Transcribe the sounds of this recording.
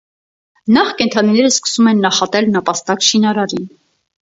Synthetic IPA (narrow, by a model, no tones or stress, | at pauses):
nɑχkɛnt̪ʰɑninɛɾəskə̥sumɛnːɑχɑt̪ɛlnəpɑst̪ɑkʃinɑɾɑɾin